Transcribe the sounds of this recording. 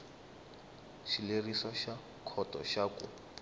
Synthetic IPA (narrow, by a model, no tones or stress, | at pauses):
ʃilerisaʃa | kʰɔtʼɔ̰ʃaːkʼʊ